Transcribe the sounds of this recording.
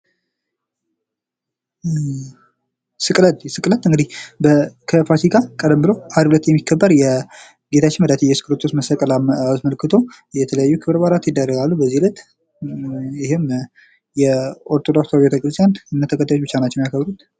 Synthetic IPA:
sɨkʼlət̪sɨkʼlət̪ːɨŋɡɨd̪ihbəkʰəpat̪ʰikʰakʼəd̪əmbɨloʔad̪ulət̪jɛmːikʰːəbːəɾjɛ | ɡe̞t̪ʰat͡ʃːɪnməd̪at̪ʰijɛsɨ̥kʼɨlət̪ʰːosməsəkʼəlaat̪məlkʰːɨt̪ʰo̞ | jɛt̪ʰələjajːukʰɨβɨɾbaɾat̪jɪd̪ːərːəɡalːubəzːihulət̪ | jɪɦɪm | jɛʔoɾt̪ʼod̪ofst̪d͡ʒɛt̪ʰəkʼɨlɨsʼjanɨnːət̪ʰəkʰət̪ːajot͡ʃːbɨt͡ʃːanat͡ʃːɛnjakʰəβɾut̪

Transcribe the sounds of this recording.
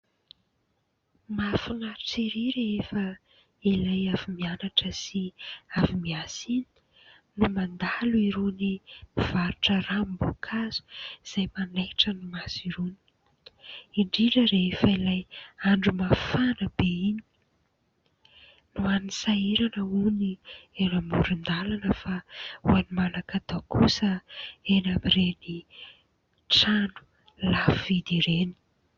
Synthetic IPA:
mafunat͡siɾiɾeefə | ilajavimianaʈ͡ʂəsiavimiasini̥ | numand̪aluiɾunimiv̥aɾuʈ͡ʂəɾambukʰazu̥z̥ajmanajʈ͡ʂənumasiɾuni̥i | iɳɖ͡ʐiɖ͡ʐəɾeefailajaɳɖ͡ʐumafanəbeini | nuanisaiɾanəunienamuɾund̪alanəfaṵanimanakad̪akʰusəenamiɾeni | ʈ͡ʂanu̥ | lafid̪iɾeni̥

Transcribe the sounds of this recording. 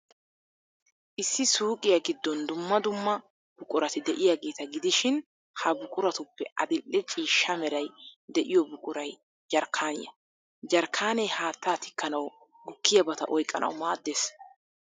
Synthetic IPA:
ʔɪsːɪsuːkʼɪjɐɡɪd̪ːɔnd̪ʊmːɐd̪ʊmːɐ | b̥ʊkʼʊɾɐt̪ɪd̪ɛʔɪjaɡe̞ːt̪ɐɡɪd̪ɪʃɪn | hɐbʊkʼʊɾɐt̪ʊpːɛʔɐ̰d̪ɪlːɛt͡ʃʼiːʃːɐmɛɾɐjd̪ɛʔɪjɔbʊkʼʊɾɐj | d͡ʒɐɾkʰːaːnɪjɐ̰ | d͡ʒɐɾkʰːaːnɛjhaːt̪ːaːt̪ɪ̥kʰːɐnɐw | ɡʊkːɪjɐbɐt̪ɐ̰ʔɔjkʼːɐ̰nʔɐ̰wmaːd̪ːeːs

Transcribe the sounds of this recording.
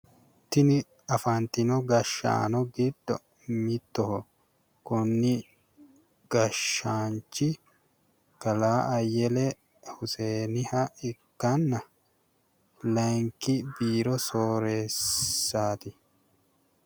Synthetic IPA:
t̪ɪnɪ | ɐfant̪ɪnɔɡɐʃːa̰ːnɔɡid̪̥ːɔ | mɪt̪ːɔhɔ | kʊnːɪ | ɡ̥ɐʃːaːnt͡ʃːɪ | kɐlaːʔɐjːɛlɛ | hʊseːnɪhɐɪkːɐnːɐ | lɐŋkɪbiːɾɔsoːɾeːsːaːt̪ɪ

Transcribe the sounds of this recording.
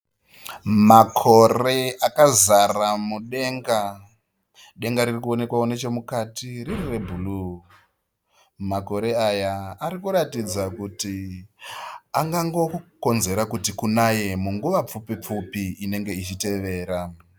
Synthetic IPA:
makʰo̞re̞akazaramuɗe̞ːŋɡa | ɗe̞ŋɡaɾirikuo̞ne̞kwaone̞t͡ʃe̞mukatiririre̞bʱulu | mako̞ɾe̞ajaːɾikuɾatid͡zakuti | aŋɡaŋɡo̞ko̞nze̞ɾakutikunaje̞muŋɡuʋap͡fupip͡fupiːne̞ŋɡe̞it͡ʃite̞ʋe̞ːɾa

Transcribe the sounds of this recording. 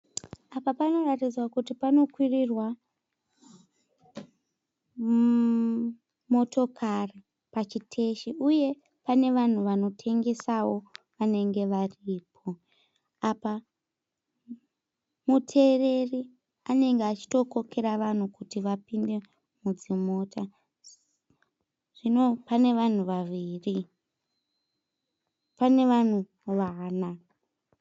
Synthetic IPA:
apapano̞ratid͡zwakutipano̞kwirirwa | mo̞to̞kʰari | pat͡ʃitʰe̞ʃiʔuje̞ | pane̞ʋan̤uʋano̞tʰe̞ŋɡe̞sawo̞ʋane̞ŋɡe̞ʋariːpʰo̞ | apa | mutʰe̞re̞ri | ane̞ŋɡeat͡ʃi̥to̞ko̞ke̞ɾaʋan̤ukutiʋapinde̞ | mud͡zimo̞ta | ʐ̥ino̞pane̞ʋan̤uʋaʋiːri | pane̞ʋan̤u | ʋaːna

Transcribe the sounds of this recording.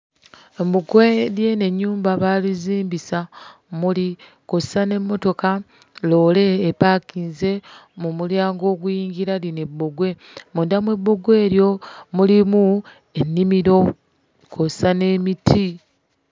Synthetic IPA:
emuɡwelje̞ne̞ɲːuːmbaβaliziːmbisa | muli | kossane̞mːo̞to̞ka | lo̞ːle̞ːpaːkinze̞mumuljaːŋɡo̞ːɡujiːɲɟiɾaline̞bːoɡwe̞ | mundamwe̞bːo̞ɡwe̞ːɾjo̞mulimu | e̞nːimiɾo̞ | kʰosane̞mitʰi

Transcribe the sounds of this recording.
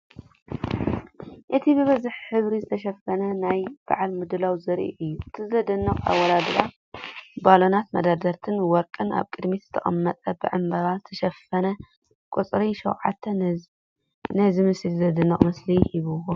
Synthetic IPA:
ʔɨt̪ʰibɨβɐzɨħħɨβɾizɨt̪ʰɐʃɐfɐnɐnajb̥a̰ʕalmɨd̪ɨlawzɐɾʔḭʔɨjːuɨt̪ʰizɨɐd̪ɐnːɐχʼa̰wːɐlad̪ɨɾa | balo̞nat̪mɐd̪ad̪ɐɾt̪ʰɨnwɔɾkʼɨna̰βkʼɨd̪miz̥ɨt̪ʰɐχʼɐmːɐt̪ʼɐbɨʕɨmbɐɾazɨt̪ʰɐʃɐfɐnɐ | kʼut͡sʼɾiʃɐ̰wʕa̰t̪ʰːɐ | nɐzɨmɨsilzɐd̪ɨnːɐχʼmɐslihiβɨwo

